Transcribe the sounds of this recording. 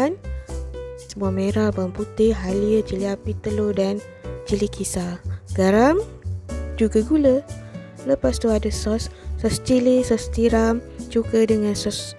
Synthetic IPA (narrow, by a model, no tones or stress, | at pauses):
n | səmuahmeɾabamput̪ɪɦaliət͡ʃiliapit̪əlodan | t͡ʃilikʰisaɡ̥aɾam | d͡ʒuɡaɡulə | ləpast̪uadasɔsːɔst͡ʃilisɔst̪iɾamt͡ʃukədəŋãnsɔs